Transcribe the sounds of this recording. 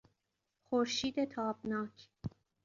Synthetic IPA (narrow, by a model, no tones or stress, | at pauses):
xoɾʃiːd̪et̪ʰɒːbnɒːkʰ